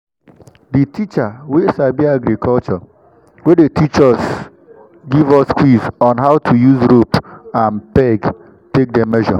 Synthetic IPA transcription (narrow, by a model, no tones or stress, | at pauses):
ditit͡ʃawesabiaɡɾikʰɔlt͡ʃɔ | wedetʰit͡ʃɔs | ɡivɔsskwizɔ̃nɦaʊtʰujuzɾopãnpɛɡ | tek̚demɛʒɔ̰